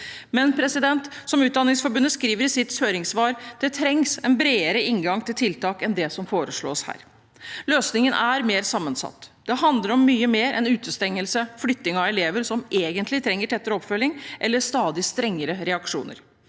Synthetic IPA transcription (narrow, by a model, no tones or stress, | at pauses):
mɛnpʰɾɛsɪd̪ɛnt̪sɔmʉːt̪̚d̪ɑnːɪŋsfɔɾbʉnːəskɾiːʋəɾɪsɪt̪shøːɾɪŋsʋɑːɾd̪̥ɛt̪ʰɾɛŋsɛnbɾeːəɾəɪŋɡɑŋt̪ʰɪlt̪ʰɪlt̪ɑːkɛnd̪ɛsɔmfoːɾəʂɭo̰ːshæ̰ːɾ | løːsnɪŋənʔæɾmeːɾsɑmːənsɑ̰t̪ːd̪̥ɛɦɑnd̪ləɾɔmːyːəmeːɾʔɛ̰nʉːt̪əst̪ɛŋːəlsəflʏt̪ːɪŋɑɛleːʋəɾsɔmʔeːɡənt̪ʰlɪt̪ʰɾɛŋːəʈʰɛt̪ːəɾɔpfœljɪŋʔɛlːəst̪ɑːd̪ɪst̪ɾɛŋːəɾəɾɛɑkʂṵːnə̰ɾ